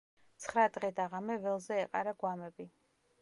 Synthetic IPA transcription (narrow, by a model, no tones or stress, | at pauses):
t̪sʰχɾad̪ʁɛd̪aʁamɛvɛlˠzɛːqʼaɾaɡwamɛbi